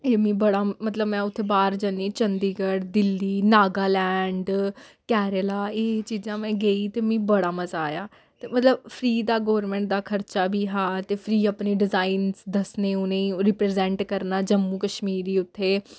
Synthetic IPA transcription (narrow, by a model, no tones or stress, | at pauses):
eːmĩːbəɽaːmət̪ləbmɛ̃ːʊt̪ʰːeːbaːɾd͡ʒəniːt͡ʃənd̪iːɡəɽd̪ɪlːiːnaːɡaːlɛːɳɖkɛːɾəlaːet͡ʃiːzãːmɛ̃ːɡeːiːt̪eːmĩːbəɽaːməzaːjaː | t̪eːmət̪ləbpʰɾiːd̪aːɡɔːɾmɛ̃ːɳʈ̚d̪aːkʰəɾt͡ʃaːbʱiːɦaːt̪eːpʰɾiːaːpneːɖɪzaːinzd̪əsneːʊnẽːiːɾɪpɾeːzɛ̃ːɳʈkəɾnaːd͡ʒəmːũːkəʃmiːɾiːʊt̪ʰːeː